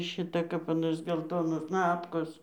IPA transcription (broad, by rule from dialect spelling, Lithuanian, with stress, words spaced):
ˈʃʲɪtɐ kɐp ɐˈnoːs ɡʲɛlˠˈtoːnoːs ˈnɑːpkoːs